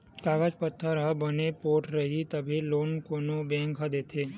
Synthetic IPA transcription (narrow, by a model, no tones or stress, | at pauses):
kaɡad͡ʒpət̪ʰːəɾɦəbənepoːʈɾəɦit̪əbʱelonkonobɛ̃ŋkʰad̪et̪ʰe